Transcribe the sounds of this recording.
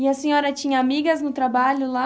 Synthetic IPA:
ɪɐsẽɲɔɾɐt͡ʃĩɲɐːmiɡɐznʊt̪ɾabaʎʊla

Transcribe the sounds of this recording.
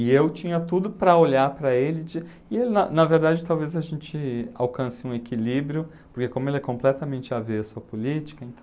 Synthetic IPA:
ɪewt͡ʃĩɲɐt̪ud̪ʊpɾɐoʎaɾpɾɐelɪd͡ʒɪ | ɪelɪnɐnɐveɾd̪ad͡ʒɪt̪awvezɐʒẽnt͡ʃɪawkɐ̃sɪũekilibɾjʊ | poɾkekõmʊelɛkõmplɛt̪ɐmẽnt͡ʃɪaveɐsuɐpolit͡ʃi̥kɐẽnt̪

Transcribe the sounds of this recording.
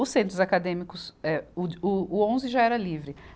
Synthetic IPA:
ʊsẽnt̪ɾʊzakad̪ẽmikʊsɛʊʊːõzɪʒaɛɾɐlivɾɪ

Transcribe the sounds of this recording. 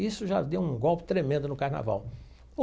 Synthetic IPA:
isʊʒad̪ewũɡɔwpɪ̥t̪ɾemẽnd̪ʊnʊkaɾna̰va̰w

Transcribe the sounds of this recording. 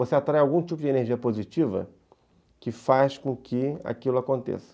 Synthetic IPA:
voseat̪ɾajawɡũt͡ʃipʊd͡ʒɪeneɾʒiɐpozit͡ʃivɐ̰ | kɪfaskõkʰɪa̰kilʊakõnt̪ḛsɐ̥

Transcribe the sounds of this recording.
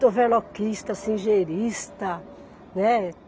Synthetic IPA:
ovɛlɔkist̪ɐsĩʒeɾist̪ɐ | nɛ

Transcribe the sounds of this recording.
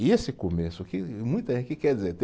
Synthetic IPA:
iesɪkomesʊkɪmũj̃t̪ɐẽkɪkɛɾdizeɾt̪e

